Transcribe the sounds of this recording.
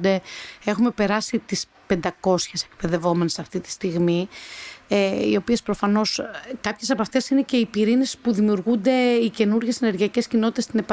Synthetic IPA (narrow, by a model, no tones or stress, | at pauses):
d̪e̞e̞xume̞pe̞ɾɐsit̪is | pe̞nd̪ɐko̞sçe̞sekpeðe̞vo̞me̞nesɐft̪it̪i̥st̪iɣmi | eḭo̞pie̞spɾo̞fɐno̞skɐpçe̞sɐpɐft̪e̞sine̞ce̞ipiɾine̞spuðimiuɾɣund̪e̞ice̞nuɾʝe̞sene̞ɾʝiɐce̞scino̞t̪i̥t̪est̪inepɐ